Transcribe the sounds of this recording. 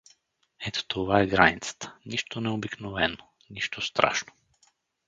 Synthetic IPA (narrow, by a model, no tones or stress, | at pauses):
ɛt̪o̥t̪ovaɛɡɾanit̪sḁt̪ʰə̥niʃt̪onɛobiknovɛno | niʃt̪ʰost̪ɾʔa̰ʃno̥